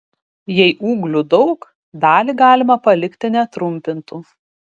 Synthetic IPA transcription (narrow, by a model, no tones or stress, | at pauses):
jɛɪʔuːɡlʲud̪ɒʊk | d̪ɑːlʲiːɡɑːlʲɪmɐpɐlʲɪkt̪ʲɪnʲɛt̪ɾʊmʲpʲɪnt̪uː